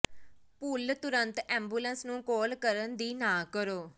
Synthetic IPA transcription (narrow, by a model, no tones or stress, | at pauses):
puːlt̪ʊɾənt̪ɛ̃ːmbuːlənsnũːkoːlkəɾənd̪iːnãːkəɾoː